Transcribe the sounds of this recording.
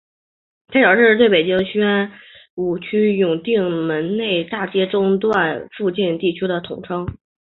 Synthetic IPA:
t̪ʰpjɑ˨˩ʂɻ̩˥˧t̪we˥˩pe˨˩ɪt͡ɕi˥ŋɕy˥ɛ˥n | u˨˩t͡ɕʰy˥jʊ˨˩ŋt̪i˥˩ŋmə˧˥nne˥˧ɪt̪a˥˩t͡ɕjɛ˥ʈ͡ʂʊ˥ŋt̪wa˥˧nfu˥˧t͡ɕi˥˧nt̪i˥˩t͡ɕʰy˥d̪ə˨t̪ʰʊ˨˩ŋʈ͡ʂʰɤ˥ŋ

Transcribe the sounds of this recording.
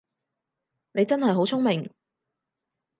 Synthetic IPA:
ne˨˧jt͡sɐ˥nɦɐ˨jɦo˨˥wt͡sʰʊ˥ŋmɪ˨˩ŋ

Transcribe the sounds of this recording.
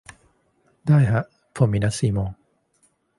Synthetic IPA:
daː˥˩jɦa˧˥ʔ | pʰo˨˩˦miː˧na˦˥t̪̚siː˨˩mɔː˧ŋ

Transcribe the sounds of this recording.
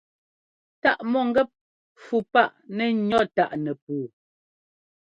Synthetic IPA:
ta˦ʔmɔ˦˨ŋ̩˦ɡɛ˦p̚ | fu˨pa˦˨ʔnɛ˦ɲɔ˦˨ta˦˨ʔnɛ˨p̚uː˨

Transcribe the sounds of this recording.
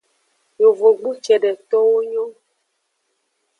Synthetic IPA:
jo˨vo˨ɡ͡bu˦t͡ʃɛ˨ɖɛ˨t̪ɔ˦wo˦ɲɔ̃˦

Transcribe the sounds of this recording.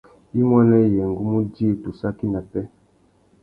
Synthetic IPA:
i˦mɔ˦nɛ˦˨jɛ˨ŋ̩˨ɡu˦mu˦di˦e˦˨tu˨sa˦ki˦na˨pɛ˦

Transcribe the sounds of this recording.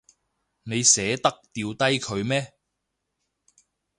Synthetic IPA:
ne˨˧jsɛː˨˥t̪ɐ˥k̚t̪iː˨˧wt̪ɐ˥jkʰɵ˨˧ɥmɛː˥

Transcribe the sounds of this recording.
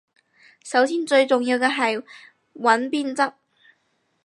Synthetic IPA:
sɐ˨˥wsiː˥nt͡ʃɵ˧ɥt͡sʊ˨ŋjiː˧wkɛ˧ɦɐ˨j | wɐ˨˥npiː˥nt͡sɐ˥k̚

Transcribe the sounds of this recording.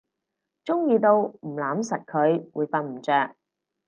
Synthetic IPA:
t͡ʃʊ˥ŋjiː˧t̪o˧wm̩˨˩laː˨˥msɐ˨t̚kʰɵ˨˧ɥwuː˨˧jfaː˧n̚m̩˨˩t͡sœː˨˧k̚

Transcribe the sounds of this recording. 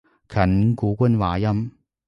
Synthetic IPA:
kʰɐ˨˩nkuː˨˦kʷə˥nwaː˨˧jɐ˥m

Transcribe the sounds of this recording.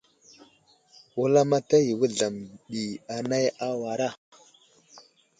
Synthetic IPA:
wu˦la˦ma˦ta˦ji˨wə˦ɮa˨mɗi˨a˨na˦ja˦wa˨ɾa˦˨

